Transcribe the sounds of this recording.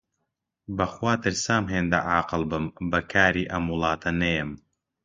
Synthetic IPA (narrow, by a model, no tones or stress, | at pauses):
bɐxwaːt̪ɨɾsaːmɦeːnd̪ɐ̰ʕaːqɨlˠbɨmbɐkʰaːɾiːʔɐmwʊlˠɑːt̪ʰɐnɐjɛm